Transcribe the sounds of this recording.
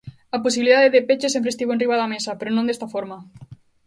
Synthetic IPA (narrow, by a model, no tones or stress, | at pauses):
aposiβiliðaðeðepet͡ʃes̬ẽmpɾest̪iβoenriβaðamesapeɾonõnd̪est̪afoɾma